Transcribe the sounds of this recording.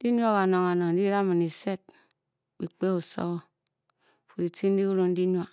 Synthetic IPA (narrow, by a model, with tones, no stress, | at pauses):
di˦ɲ˦a˦ɣa˨no˨ŋa˨no˨n̩˦di˦ɾa˦mi˨ni˨se˦t̚ | bi˨k͡pe˦u˨so̰˦ɣɔ˦ | fu˨ɾi˨ti˦n̩˦di˦u˦ɾo˦n̩˦di˦ɲʷ˦a˦